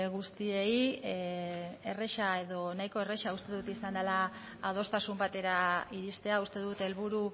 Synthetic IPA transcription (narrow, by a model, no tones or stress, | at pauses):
ɣust̪ie̞ji | e̞reʃae̞ðo̞najko̞e̞re̞ʃaust̪e̞ðut̪isand̪alaː | ð̞o̞st̪asumbat̪e̞ɾaiɾist̪e̞aust̪e̞ðut̪e̞lβuɾu